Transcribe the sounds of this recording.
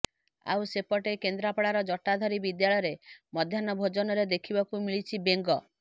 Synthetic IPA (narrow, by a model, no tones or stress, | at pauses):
a̰wsepɔʈekend̪ɾapɔɽaɾɔd͡ʒɔʈad̪ʱɔɾibid̪jaɭɔjɾemɔd̪ʱjanɔbʱod͡ʒɔnɔɾed̪ekʰibakumiɭit͡ʃʰibeŋɡɔ